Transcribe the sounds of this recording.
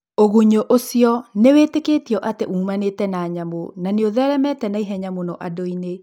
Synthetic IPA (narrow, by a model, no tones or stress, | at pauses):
oɣuɲoʔosiɔneweːteketiɔʔateʔuːmanetɛnaːɲamonaneoðɛɾɛmɛtɛnaiɦɛɲamonɔʔadoine